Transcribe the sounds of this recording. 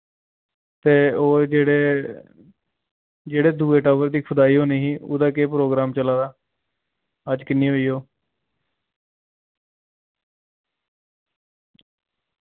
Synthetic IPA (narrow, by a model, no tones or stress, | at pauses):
t̪eːoːd͡ʒeːɽeː | d͡ʒeːɽeːd̪uːeːʈaːʋəɾd̪iːkʰʊd̪aːiːɦoːniːɦiːo̰ːd̪aːkeːpɾoːɡɾaːmt͡ʃəlaːd̪aː | əd͡ʒkɪnːiːɦoːiːoː